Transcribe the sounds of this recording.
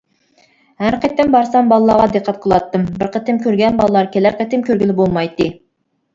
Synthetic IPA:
hæɾqət̪ɪmbɑɾsɑmbɑlˠəlˠɑɾʁɑd̪eqʰːɑt̪̚qʰəlˠɑt̪ːɨmbɪɾqət̪ʰɪmkʲʰøɾɡʲɛnbɑlˠəlˠɑɾkʲʰelæɾqʰət̪ɪmkʲʰøɾɡʲilɪbolˠmɑjt̪ːɨ

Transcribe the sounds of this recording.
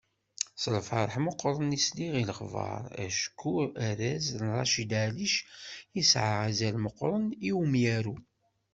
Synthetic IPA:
slfɑɾˤħməqːɾˤənisliʁilχvɑ̰ɾˤæ̰ʃkʰːuæɾæznrˤːɑ̰ʃid̪aliʃisʕaʁæzælməqːɾˤəniwmjæɾu

